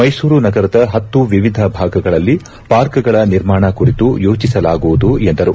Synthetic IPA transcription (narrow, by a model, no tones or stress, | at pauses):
mɐjsuːɾunɐɡɐɾɐd̪ɐɦɐt̪ːuʋiʋid̪ʱɐbʱaːɡɐɡɐɭɐlːi | paːɾkɐɡɐɭɐniɾmaːɳɐkuɾit̪ujo̞ːt͡ʃisɐlaːɡuʋud̪uend̪ɐɾu